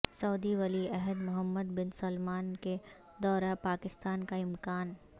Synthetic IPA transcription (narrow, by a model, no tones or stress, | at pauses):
sɔːd̪iʋɐliɛɦəd̪mʊɦəmːəd̪bɪnsɐlmaːnke | d̪ɔːɾapaːkɪst̪aːnkaɪmkaːn